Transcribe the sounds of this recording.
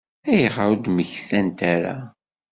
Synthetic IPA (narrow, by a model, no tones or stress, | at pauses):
æjəʁaɾud̪məçθænt̪æɾa̰